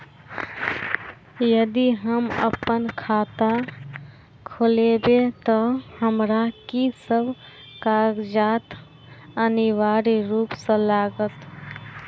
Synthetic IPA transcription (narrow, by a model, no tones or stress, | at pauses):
jəd̪iɦəmə̰pənkʰat̪a | kʰolebet̪ɔhəmɾakisəbʱ | kaɡd͡ʒat̪ | əniwaɾiɾupsə̃laɡət̪